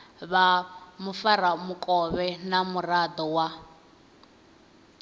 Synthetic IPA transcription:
βamufaɾamukʼɔβɛnamurad̪ɔwa

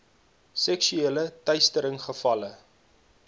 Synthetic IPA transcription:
sɛksyelətɐjstəɾəŋχəfɐlə

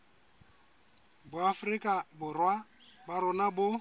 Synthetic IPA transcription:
bʊafʊrikʼabʊrwa | baɾʊnabʊ

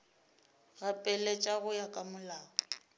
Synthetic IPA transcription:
ɣapʼɛlɛt͡ʃʼaɣʊjakʼamʊlaːɔ

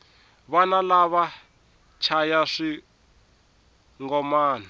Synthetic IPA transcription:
βanalaβa | t͡ʃʰajaʂi | ŋɡɔmaːna

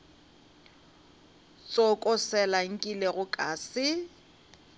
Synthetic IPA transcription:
t͡sʼɔkʼɔsɛlaŋ̩kʼileɣʊkʼaːsɪ

